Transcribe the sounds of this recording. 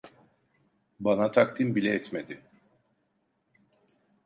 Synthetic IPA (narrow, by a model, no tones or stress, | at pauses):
banat̪ʰak̚t̪ʰimbilʲɛɛt̪med̪ɪ